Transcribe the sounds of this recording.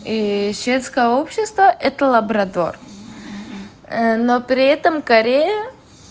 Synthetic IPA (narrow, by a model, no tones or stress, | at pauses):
isvʲet̪skəjəopɕːɪst̪vəʔɛt̪əlˠɐbɾɐd̪o̰r | nopɾʲɪɛt̪əmkɐɾʲejə